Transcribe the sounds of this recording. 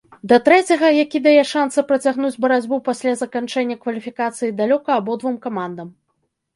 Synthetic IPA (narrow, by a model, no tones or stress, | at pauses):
d̪ɐt̪ɾɛt͡sʲɐɣɐjakʲid̪ajɛʂansɐpɾɐt͡sʲaɣnud͡zʲbɐɾad͡zʲbupasʲlʲazɐkant͡ʂɛnʲːɐkvɐlʲifʲikat̪sɨjid̪alʲɔkɐːbɔd̪vumkamand̪ɐm